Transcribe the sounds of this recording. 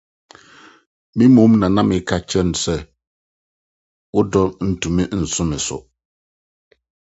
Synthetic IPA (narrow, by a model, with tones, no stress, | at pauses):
mĩ˦mõ˦mnã˨nã˦mɪ̃˨˦kʰa˦t͡ɕʰɛ˦n˨sɛ˨ | wʊ˦dɔ˦n̩˨tʰũ˨mɪ̃˦n̩˨sʊ̃˦mɪ̃˨sʊ̰˨